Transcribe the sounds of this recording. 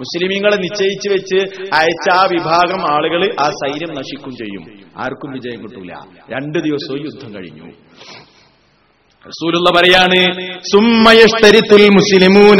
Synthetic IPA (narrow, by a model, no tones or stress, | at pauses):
muslimiŋːɐɭenit͡ɕːɐjit͡ɕːɨʋet͡ɕːɨɐjɐt͡ɕːaːʋibʱaːɡɐmaːɭuɣɐɭɨʔaːsɐjɾjɐmnɐʂikʲːumt͡ɕe̞̰jːṵma̰ːrkumʋid͡ʑɐjɐmkiʈːulːɐ̰ | ɾe̞ɳɖɨd̪iʋɐsoːjud̪ʱːɐmkɐ̰ɻḭɲːṵ | rɐsuːlulːɐpɐɾɐjaːɳɨsumːɐjɐʂt̪ɐɾit̪ːilmuslimuːn